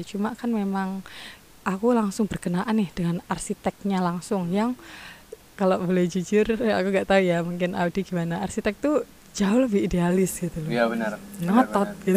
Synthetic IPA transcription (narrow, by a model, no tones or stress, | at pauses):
t͡ʃumakanmemaŋ | ʔakulaŋsʊŋbərɡənaʔanɪhd̥əŋanarsit̪ɛk̚ɲalaŋsʊŋjaŋ | kaloʔbolɛhd͡ʒud͡ʒʊra̰kuŋɡaʔt̪aujamuŋkɪnʔa̰udiɡimanaːrsit̪ɛk̚t̪u | d͡ʒaʊhləbɪhidealɪsɡ̥it̪ulnəŋət̪ɔt̪̚ɡ̥it̪